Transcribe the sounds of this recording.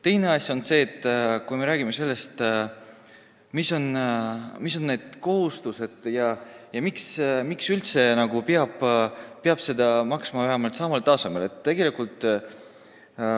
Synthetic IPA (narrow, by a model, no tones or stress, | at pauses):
t̪e̞jne̞ɑsʲjo̞nse̞ːt̪ːˑkujme̞ɾæːɡ̥ime̞se̞lːe̞st̪ | miso̞n | miso̞nːe̞ːd̪̥ko̞ɦust̪use̞d̪̥jɑjɑmiksmiksylt̪se̞nɑɡ̥upeɑb̥peɑb̥se̞d̪ɑmɑksmɑvæɦɑmɑlt̪sɑmɑlt̪ɑːsɑme̞le̞t̪t̪ːe̞ɡ̥e̞likult̪ːˑ